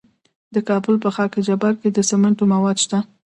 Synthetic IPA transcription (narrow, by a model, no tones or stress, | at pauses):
d̪əkɑbʊlpəxɑked͡ʒabaɾked̪əsamaɳʈomawɑd̪ʃt̪a